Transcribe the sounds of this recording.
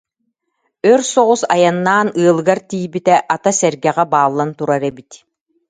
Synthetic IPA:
œɾsɔʁusa̰janːaːnɯːlˠɯɡaɾt̪iːbit̪ɛʔat̪asɛɾɡɛʁɛbaːlˠːant̪uɾaɾɛbit̪

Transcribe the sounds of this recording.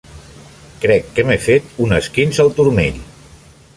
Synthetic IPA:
kɾɛkːəmefet̪unəskinzəlˠt̪uɾmeʎ

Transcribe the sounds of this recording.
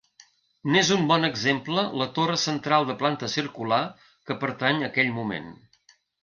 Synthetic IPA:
nezumbɔnəɡzemplələt̪orəsənt̪ɾalˠd̪əplant̪əsiɾkula | kəpəɾt̪aɲəkɛʎmumḛn

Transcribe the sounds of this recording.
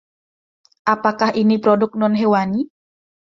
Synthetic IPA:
ʔapakahinipɾɔdʊk̚nɔnɦewani

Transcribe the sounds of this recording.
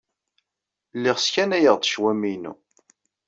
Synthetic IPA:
lːɪʁskænæjəʁd̪ˤʃwæminṵ

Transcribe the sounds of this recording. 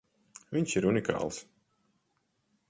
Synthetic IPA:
viɲsiɾunikɑ̰ːlˠs

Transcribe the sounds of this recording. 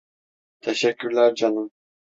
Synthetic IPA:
t̪ʰɛʃɛcʲːyɾlʲæɾd͡ʒanɯm

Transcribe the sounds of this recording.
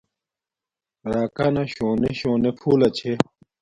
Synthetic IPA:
ɾaːkanɐɕoːneɕoːnepʰuːlɐt͡ɕʰe

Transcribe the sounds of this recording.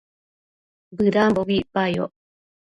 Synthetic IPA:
bɨɾamboβiʔpajo̰ʔ

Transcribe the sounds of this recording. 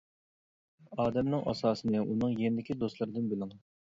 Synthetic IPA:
ɑːd̪ɛmnɨŋʔɑ̰sɑːsɨnɨʔunɨŋjenɪd̪ɪkʲʰid̪ost̪lˠɨɾɨd̪ɨnbɪlɪŋ

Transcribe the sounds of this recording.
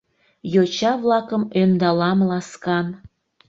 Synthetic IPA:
jot͡ɕɑβlɑkəmønd̪ɑlɑmlɑskɑn

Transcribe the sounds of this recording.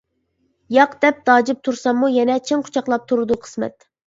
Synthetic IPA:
jɑqd̪ɛp̚d̪̥ɑːd͡ʒɪp̚t̪ʰuɾsɑmːujɛnɛt͡ʃʰiŋqʰʊ̥t͡ʃʰɑqlˠɑp̚t̪ʰuɾɨd̪uqʰə̥smɛ̰t̪

